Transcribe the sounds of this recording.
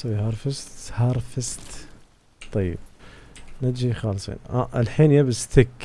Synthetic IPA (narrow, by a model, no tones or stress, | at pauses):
swihɑɾˤfɪst̪hɑːɾˤfɪst̪ | t̪ˤːɑjːɪ̰b̚ | nad͡ʒixɑːlsˤḭːna̰ʔɪlħiːnjabɪst̪ɪkː